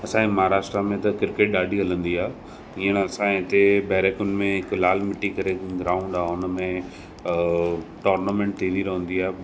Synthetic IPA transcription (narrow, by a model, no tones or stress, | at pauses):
ɐsãẽmɐɦaɾaːʃʈɾamẽt̪ɐkɪɾkeːʈ̚ɗaːɖʱiɦɐlə̃nd̪iaː | iːəñɐsãɪt̪ebɛːɾeːkʊnɪ̆mẽɦɪklaːlmɪʈikɐɾeɡɾaːʊũɳɖaːɦʊnəmẽ | ʈoːɾnamẽːɳʈ̚t̪ʰĩːnd̪iɾɐɦə̃nd̪iaː